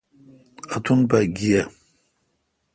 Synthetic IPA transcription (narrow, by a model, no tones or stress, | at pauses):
atʰunbaɡʲija